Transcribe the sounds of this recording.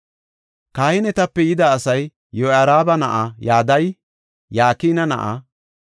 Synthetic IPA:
kaːhɪnɛt̪ɐpːɛjɪd̪ɐːsɐj | jːɔaːɾaːbɐnɐʔɐjaːd̪ɐj | jaːkiːnɐnɐ̰ʔa̰

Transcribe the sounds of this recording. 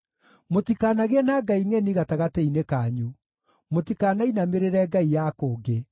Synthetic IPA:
motikaːnaɣeɛnaɡaiŋɛniɣataɣateinekaːɲu | motikaːnainameɾeɾɛɡaijakoːɡe

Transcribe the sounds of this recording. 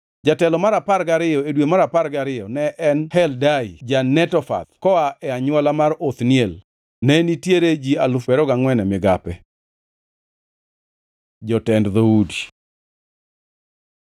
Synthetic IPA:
d͡ʒatɛlɔmaɾapaɾɡaɾɪjɔedwemaɾapaɾɡaɾɪjɔnɛʔɛnhɛldaid͡ʒanɛtɔfa̰t̪kɔaʔɛaɲwalamarot̪njel | nɛnitjeɾed͡ʒialʊfɛɾɔɡaŋwɛnɛmɪɡapɛ | d͡ʒɔtɛndðoudi

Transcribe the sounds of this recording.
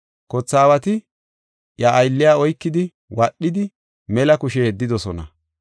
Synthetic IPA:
kɔt͡sːaːwɐt̪ɪ | ʔjɐʔːjlːɪjaːɔjkːɪd̪ɪ | wɐɗːɪd̪ɪ | mɛlɐkʊʃeːd̪ːɪd̪ɔsɔnɐ̰

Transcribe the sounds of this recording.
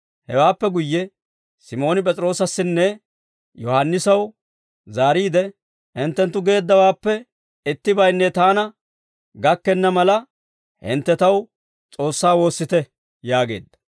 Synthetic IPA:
hɛ̰waːpːɛɡʊjːɛ | sɪmo̞ːnɪp̬ʼɛt͡sʼɾo̞ːsɐsːɪnːɛ | jɔhɐnːɪsɐw | zaːɾiːd̪ɛ | ɪnt̪ːɛnt̪ːʊɡe̞ːd̪ːɐwaːpːɛ | ɪt̪ːɪbɐjnːɛt̪aːnɐ | ɡɐkːɛnːɐmɐlɐ | hɪ̰nt̪ːɛt̪ɐw | t͡sʼo̞ːsːaːwo̞ːsːɪt̪ɛ | jaːɡe̞̰ːd̪ːɐ̥

